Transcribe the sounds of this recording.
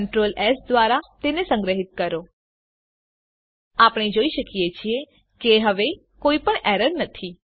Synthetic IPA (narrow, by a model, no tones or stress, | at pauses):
ɳʈɾolɛsd̪ʋaɾat̪enesə̃ŋɡɾəɦit̪̚kəɾo | apɽ̃ed͡ʒoiʃəkijet͡ʃʰie | keɦəʋe | koipəɳɛɾəɾnət̪ʰi